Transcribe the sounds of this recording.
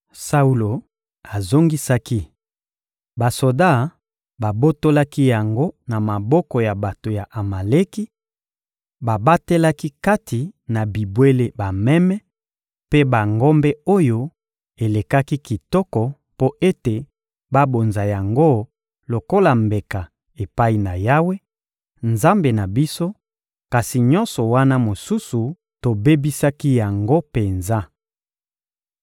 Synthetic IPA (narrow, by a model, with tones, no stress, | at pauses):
sa˦u˦lo˨ | a˨zo˦ŋɡi˦sa˦ki˦ | ba˨so˨da˦˨ | ba˨bo˦to˦la˦ki˦ja˨ŋɡo˦na˨ma˨bɔ˦kɔ˨ja˨ba˨to˨ja˨ʔa˨ma˨le˦ki˦ | ba˨ba˦te˦la˦ki˦ka˦tʰi˨na˨bi˨bwe˦le˦ba˨mɛ˦mɛ˦ | pe˦ba˨ŋɡɔ˦mbɛ˦o˦jo˦ | e˨le˨ka˦ki˦ki˨tɔ˦kɔ˨ | po˦e˦te˨ | ba˦bo˨nza˨ja˨ŋɡo˦ | lo˨ko˦la˨mbe˨ka˨ | e˨pa˦i˨na˨ja˦we˦ | nza˦mbe˨na˨bi˦so˦ | ka˨si˨ɲɔ˦nsɔ˨wa˦na˦mo˨su˦su˨ | to˨be˦bi˦sa˦ki˦ja˨ŋɡo˦pe˨nza˦